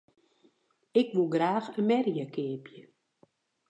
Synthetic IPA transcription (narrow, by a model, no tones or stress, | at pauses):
ɪkʋulˠɡraːxənmɛrjəkʰɪəpjə